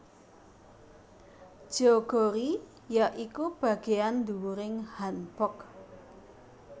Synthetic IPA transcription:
d̥ʒ̥ɔɡ̥o̤ɾi | jaʔikub̥ä̤ɡ̥e̤and̪uɾɪŋhanb̥ɔk̚

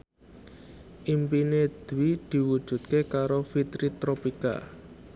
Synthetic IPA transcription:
ʔimpined̪̥wid̪̥i̤wud̥ʒ̥ṳt̪̚kekaɾofit̪ɾit̪ɾopika̰

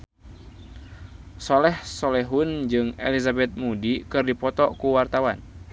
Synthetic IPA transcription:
sɔlɛhsɔlɛɦund͡ʒɨŋɛ̰lizabɛt̪̚mudikɨrdipɔt̪ɔkuwart̪awan

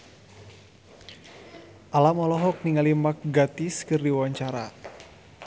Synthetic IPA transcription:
ʔalamɔlɔɦɔk̚niŋalimak̚ɡat̪iskɨrdiwaɲt͡ʃaɾa

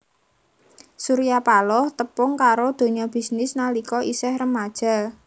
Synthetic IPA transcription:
suɾijapalɔht̪əpʊŋkaɾod̪̥o̤ɲɔb̥i̤snɪsnalikɔʔisɛhrəmad̥ʒ̥a̤

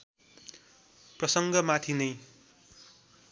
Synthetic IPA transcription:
prʌsʌŋɡʌmat̪ʰinʌj

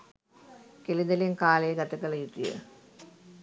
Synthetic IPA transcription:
kelid̪ɐleŋkaːlejəɡɐt̪ɐkɐlɐjut̪ijə̰

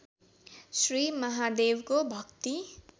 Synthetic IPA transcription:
srimʌɦad̪ewkobʱʌkt̪i

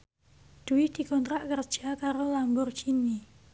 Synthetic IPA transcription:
d̪̥uwɪhd̪̥i̤kɔnt̪ɾaʔkərd̥d͡ʒ̥akaɾolambʊrɡini

